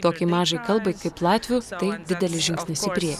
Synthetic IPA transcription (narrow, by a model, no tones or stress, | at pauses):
t̪oːkʲɪmɑːʒɐɪkɐlˠbɐɪkɐɪplˠɑːt̪ʲʋʲuːt̪ɐɪd̪ʲɪd̪ʲɛlʲɪʒʲɪŋʲksʲnʲɪsʲɪpʲɾʲiɛj